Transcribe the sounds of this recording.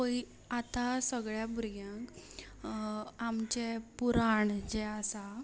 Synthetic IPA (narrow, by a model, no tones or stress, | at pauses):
oi | at̪asəɡɭjabʱuɾɡjãŋk | amt͡ɕepuɾaɳd͡ʑɛasa